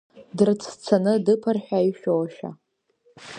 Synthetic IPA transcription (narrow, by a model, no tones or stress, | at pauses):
dɨrt͡sʰt͡sʰanɨdɨpʰɨrħᶣajʃᶣowaʃᶣa̰